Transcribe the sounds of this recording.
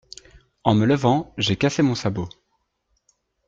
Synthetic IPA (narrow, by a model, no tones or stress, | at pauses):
ɑ̃mələvɑ̃ʒekasemɔ̃sabo